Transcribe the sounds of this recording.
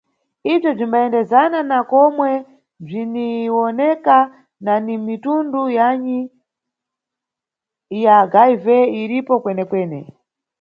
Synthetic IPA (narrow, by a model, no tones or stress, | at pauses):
ib͡ʐɔb͡ʐimbaɛndɛzananakɔmwɛ | b͡ʐiniwɔnɛka | nanimitundujaɲi | jaɡajvɛiɾipɔkwɛnɛkwɛːnɛ̰